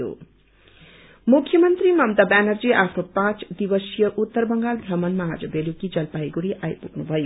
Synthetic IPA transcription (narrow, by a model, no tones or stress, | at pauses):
o̰ | mukʰjʌmʌnt̪rimʌmt̪abænʌrd͡ziʔapʰnopãt͡sd̪ibʌsjʌʔut̪ːʌrbʌŋɡalbʱrʌmʌnmaad͡zʌbelukid͡zʌlpajɡuɾiʔajpuknubʱʌjo